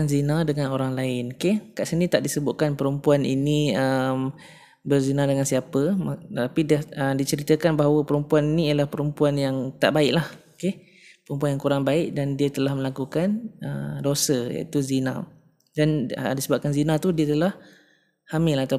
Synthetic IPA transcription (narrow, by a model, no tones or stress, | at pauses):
anzinadəŋãnoɾaŋlaɪnokekaʔsənit̪aʔdisəbʊʔ̪̚kanpəɾəmpuanḭniəm | bərzinadəŋansiapət̪apidaədit͡ʃəɾit̪əkanbaɦawəpəɾəmpuaninijəlahpəɾəmpuanjaŋt̪a̰ʔbaɪʔlahoke | pəɾəmpuanjaŋkuɾaŋbaɪʔdandiət̪əlahmə̃lakukanʔə̰dosəja̰ʔḭt̪uzinã | danədisəbap̚kanzinat̪udiət̪əlah | hamɪlat̪a